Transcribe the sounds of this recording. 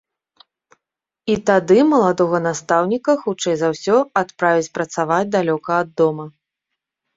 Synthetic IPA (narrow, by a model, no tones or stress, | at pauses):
it̪ad̪ɨmɐlˠad̪ɔɣɐnast̪awnʲikɐxut͡ʂɛjzawsʲɔat̪pɾavʲit͡sʲpɾɐt̪savad͡zʲd̪alʲɔkɐːd̪ːɔmɐ